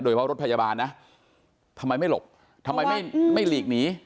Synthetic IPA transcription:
doː˧t͡ɕʰpʰɾo˦˥t̚pʰa˧jaː˧baː˧nːa˦˥ | t̪ʰa˧ma˧jma˥˩jlo̰˨˩p̚ | t̪ʰa˧mːa˧jma˥˩jma˥˩jliː˨˩k̚niː˦˥

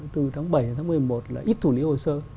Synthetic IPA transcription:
t̪ɨ˨˩t̪ʰaː˨˦ŋɓə˧˩jhə˧˩t̪ʰaː˨˦mɨ˨˩ə˨˩jmo˨˩t̚laː˨˩ʔi˦˥t̚t̪ʰu˧˩li˨˦ho˧˩səː˧

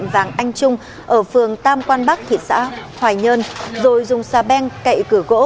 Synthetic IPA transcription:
mvaː˨˩ŋʔa˧jŋ̟t͡ɕʊ˧ŋ͡m | ʔəː˧˩fɨ˨˩əŋt̪aː˧mkwaː˧nɓa˦˥k̚t̪ʰḭ˧˨t̚sa̰ː˧˥hwaː˨˩jɲə˧nzo˨˩jzʊ˨˩ŋ͡msaː˨˧˩ɓɛ˧ŋkə̰˧˨jkɨ˧˩ɣo̰˧˥

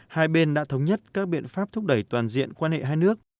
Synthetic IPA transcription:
haː˧jɓe˧nɗa̰ː˧˥t̪ʰə˧wŋ͡mɲə˦˥t̚kaː˦˥k̚ɓḭ˧˨ənfaː˦˥p̚t̪ʰʊ˦˥k͡p̚ɗə˧˩jt̪waː˨˩nzḭ˧˨ənkwaː˧nhḛ˧˨ɦaː˧jnɨ˦˥ək̚

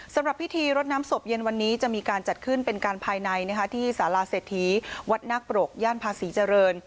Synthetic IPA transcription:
sa˨˩˦mɾa˨˩pʰːi˦˥t̪ʰiː˧ɾo˦˥t̪̚naː˦˥mso˨˩p̚je˧nwa˧nːiː˦˥t͡ɕa˨˩ʔmiː˧kaː˧nt͡ɕa˨˩t̪̚kʰɯ˥˩npe˧nkaː˧npʰaː˧jna˧jna˦˥kʰa˦˥t̪ʰiː˥˩saː˩˦laː˧seː˨˩t̪ʰːiː˩˦wa˦˥t̪̚naː˥˩k̚pɾo˨˩k̚jaː˥˩npʰaː˧siː˩˦t͡ɕa˧ɾɤː˧n

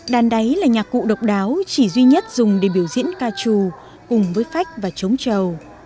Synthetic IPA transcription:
ɗaː˨˩nɗə˨˦jlaː˨˩ɲaː˨˩k̚kːṵ˧˨ɗə˨˩wk͡p̚ɗaː˨˦wt͡ɕi˧˩zwi˧ɲə˦˥t̚zʊ˨˩ŋ͡mɗe˧˩ɓi˧˩əwzḭ˧˥ənkaː˧t͡ɕu˧˩ | kʊ˨˩ŋ͡mvəː˨˦jfa˦˥jk̟̚vaː˨˩t͡ɕə˨˦wŋ͡mt͡ɕə˨˩w

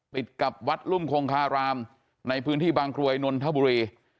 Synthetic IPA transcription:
t̪i˨˩t̪̚ka˨˩p̚wa˦˥t̪̚lu˥˩mkʰoː˧ŋkʰaː˧ɾaː˧m | na˧jpʰɯː˦˥nt̪ʰiː˥˩baː˧ŋkɾu˧ɐjno˧nt̪ʰa˦˥bu˧ɾiː˧

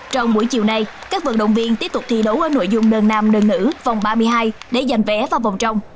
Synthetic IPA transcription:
t͡ɕɔ˧wŋ͡mɓu˧˩əjt͡ɕḭ˧˨əwna˨˩j | kaː˦˥k̚vɨ˨˩k̚ɗə̰˧˨wŋ͡mvi˧ənt̪i˦˥əp̚t̪ʊ˨˩k͡p̚t̪ʰi˧ɗo˨˦wʔəː˨˧˦no̰˧˨jzʊ˧ŋ͡mɗəː˨˩nnaː˨mɗəː˨˩nːɨ̰˧˥vɔ˨˩wŋ͡mɓaː˧mɨ˧əjɦaː˧jɗe˧˩za˨˩jŋ̟vɛ˨˦vaː˨˩wvɔ˨˩wŋ͡mt͡ɕə˧wŋ͡m

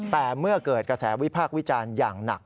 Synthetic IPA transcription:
t̪ɛː˨˩mɯ˥˩ɐkɤː˨˩t̪̚kɾa˧sɛː˩˦wi˦˥pʰaː˥˩k̚wi˦˥t͡ɕaː˧njaː˨˩ŋna̰˨˩k̚

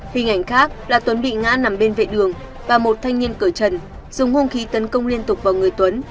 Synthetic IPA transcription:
hï˨˩ŋ̟ʔa˧˩jŋ̟xaː˦˥k̚laː˨˩t̪wə˨˦nɓḭ˧˨ŋa̰ː˧˥na˨˩mɓe˧nvḛ˧˨ɗɨ˨˩əŋ | vaː˨˩mo˨˩t̚t̪ʰa˧jŋ̟ni˧ənkɨː˧˩t͡ɕə˨˩n | z̥ʊ˨˩ŋ͡mhʊ˧ŋ͡mxi˨˦t̪ə˨˦nkə˧wŋ͡mli˧ənt̪ʊ˨˩k͡p̚vaː˨˩wŋɨ˨˩əjt̪wə˨˦n

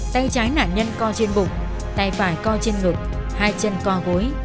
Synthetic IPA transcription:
t̪a˧jt͡ɕaː˨˦jna̰ː˧˩nɲə˧nkɔ˧t͡ɕe˧nɓʊ̰˨˩ŋ͡m̚ | t̪a̰˧˩˨jfaː˧˩jkɔ˧t͡ɕe˧nŋɨ˨˩k̚haː˧jt͡ɕə˧nkɔ˧ɣo˨˦j

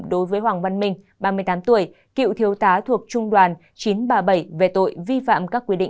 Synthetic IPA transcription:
ɗo˨˦jvəː˨˦jhwaː˨˩ŋva˧nmï˧ŋ̟ | ɓaː˧mɨ˧əjt̪aː˨˦mt̪u˧˩əj | kḭ˧˨wt̪ʰi˨˦əwt̪aː˨˦t̪ʰu˨˩ək̚t͡ɕʊ˧ŋ͡mɗwaː˨˩n | t͡ɕi˨˦nɓaː˨˧˩ɓə˧˩jve˨˩t̪o̰˧˨jvi˧fa̰ː˧˨mkaː˦˥kːwi˧ɗḭ̈˧˨

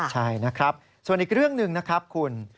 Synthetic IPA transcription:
t͡ɕʰa˥˩jna˦˥kʰɾa˦˥p̚ | su˨˩ənʔiː˨˩k̚ɾɯ˥˩əŋnɯ˨ŋna˦˥kʰɾa˦˥p̚kʰu˧n

